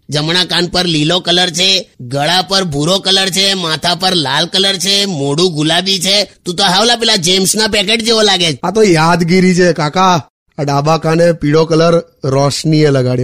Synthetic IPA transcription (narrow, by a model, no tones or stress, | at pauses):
d͡ʒəmɳakanpəɾlilokələɾt͡ʃʰeɡəɭapəɾbʱuɾokələɾt͡ʃʰemat̪ʰapəɾlalkələɾt͡ʃʰemoɽũɡʱulabit͡ʃʰet̪ũt̪oɦaʋlapɛlad͡ʒemsnapɛkeʈd͡ʒeʋolaɡed͡ʒat̪ojad̪ɡiɾit͡ʃʰekaka | aɖabakanepiɽokələɾː | ɔʃnieləɡaɽjo